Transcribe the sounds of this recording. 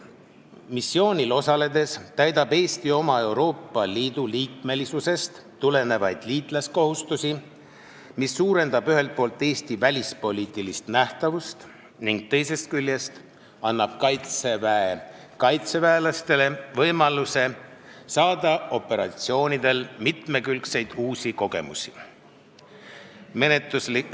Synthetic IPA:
misːio̞ːnʲilo̞sɑle̞d̪e̞st̪æjd̪ɑbe̞ːst̪io̞mɑe̞wɾo̞ːpˑːɑliːd̪̥uliːk̚me̞lisuse̞st̪ | t̪ːule̞ne̞vɑjd̪̥liːt̪ˑlɑsko̞hust̪usi | misːuːɾe̞nd̪ɑbyɦe̞lt̪̚po̞ːlt̪ːˑe̞ːst̪ivælʲispo̞lʲiːt̪ˑilist̪næht̪ɑvust̪ | niŋɡ̥̚t̪e̞jse̞st̪̚kylʲjest̪ | ɑnːɑb̥kɑjt̪se̞væe | kɑjt̪sevæelɑst̪e̞le̞vɤjmɑluse̞sɑːd̪̥ɑo̞pːe̞ɾɑ̰t̪sio̞ːnid̪̥e̞lmit̪me̞kylkse̞jd̪̥uːsiko̞ɡe̞̰mṵsi̥ | me̞net̪ːˑusli

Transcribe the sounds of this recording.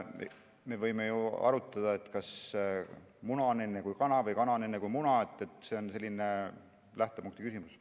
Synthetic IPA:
mḛ | me̞vɤjme̞juɑ̰ɾut̪ˑːɑd̪̥ɑe̞t̪kɑs | munɑone̞nːekujkɑnɑvɤjkɑnɑne̞nːekujmunɑe̞t̪ˑːe̞t̪ːˑse̞o̞nse̞lʲːine | læht̪o̞puŋkt̪ikysimus

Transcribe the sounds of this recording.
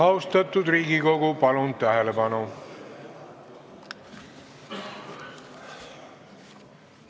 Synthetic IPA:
ɑost̪ɑt̪ːˑud̪riːɡiko̞ɡupɑlunt̪æɦelepɑnu

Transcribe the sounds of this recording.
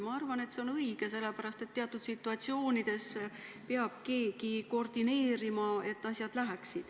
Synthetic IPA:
mɑɑrvɑne̞t̪seo̞nɤiɡ̥e̞se̞lːepæɾɑst̪e̞t̪ːeɑt̪ːˑud̪̥sit̪ːˑuɑt̪sio̞ːnid̪̥e̞speɑb̥̚ke̞ːkiko̞rd̪̥ine̞ːɾimɑe̞t̪ːɑsʲjɑd̪̥læɦæksid̪̥

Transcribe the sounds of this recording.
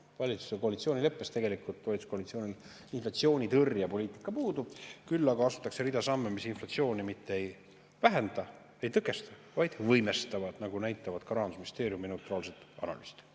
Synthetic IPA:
vɑlʲit̪su̥seko̞ɑlit̪sio̞ːnʲile̞pːˑest̪e̞ɡe̞likult̪ːo̞jt̪u̥skolit̪sioːnʲil | inflɑt̪sio̞ːnʲit̪ɤrjɑpo̞liːt̪ːˑi̥kːˑɑpuːd̪ubkylːɑɡɑɑsu̥t̪ːˑɑkse̞ɾid̪ɑsɑmːemisinflɑt̪sio̞ːnʲimit̪ˑːee̞j | væɦend̪ɑ | e̞jt̪ɤkˑe̞st̪ɑvɑjd̪̥vɤjme̞st̪ɑvɑd̪nɑɡ̥unæjt̪ːˑɑvɑd̪̥kɑɾɑːnusminist̪e̞ːɾjumine̞wt̪rɑːlse̞t̪ːɑ̰nɑ̰lyst̪

